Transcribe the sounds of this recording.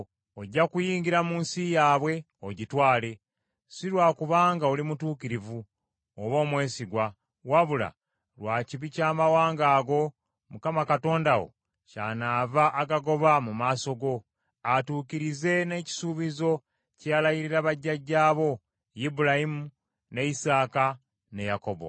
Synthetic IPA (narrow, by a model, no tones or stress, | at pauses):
oɟːakujiːŋɟiɾamuːnsijaːβwe̞ | oɟitwaːle̞ | siɾwaːkuβaːŋɡaolimutuːkiɾivu | oβo̞ːmwe̞ːsiɡwa | waβula̰ | lwaːciβicaːmawaːŋɡaːɡo̞ | mukamakato̞ːndaɣo̞̰ | caːnaːvaʔːɡaɡo̞βamumaːso̞ɡo̞ | atuːkiɾize̞ne̞ːci̥suːβizo̞ | calajiɾiɾaβaɟːaɟːaːβo̞ | jibuɾajimu | ne̞isaːka | ne̞jako̞βo̰